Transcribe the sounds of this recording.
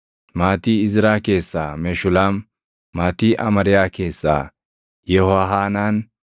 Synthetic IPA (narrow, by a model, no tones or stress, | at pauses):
maːt̪iːɪzɪɾaːke̞ːsːaːmeʃʊlaːmː | aːt̪iːʔɐmɐɾɪjaːke̞ːsːa̰ː | jɛhɔwaɦaːnaːn